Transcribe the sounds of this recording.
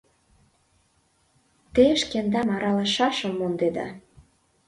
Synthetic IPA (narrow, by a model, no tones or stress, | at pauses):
t̪eʃkend̪ɑmɑɾɑlɑʃɑʃɤ̆mːond̪ed̪ɑ̰